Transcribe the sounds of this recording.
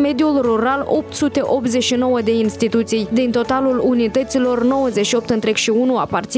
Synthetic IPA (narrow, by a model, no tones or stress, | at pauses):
me̞d̪julruɾalo̞p̚t̪sut̪e̞ʔo̞p̚t̪ze̞ʃino̞wəd̪e̞inst̪it̪ut̪sijd̪int̪o̞t̪alulunit̪ət̪silo̞rno̞wəzeʃio̞p̚t̪ɨnt̪ɾe̞ɡʃiunuapart̪s